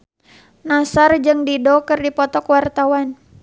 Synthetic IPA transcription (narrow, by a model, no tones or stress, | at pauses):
nasard͡ʒɨŋdidɔkɨrdipɔt̪ɔkwart̪awan